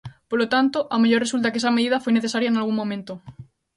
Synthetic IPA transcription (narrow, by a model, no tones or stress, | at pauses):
polot̪ant̪oʔameʎoɾresult̪akeesameðiðafojneθesaɾjaenalɣ̞uŋmːõmẽnt̪o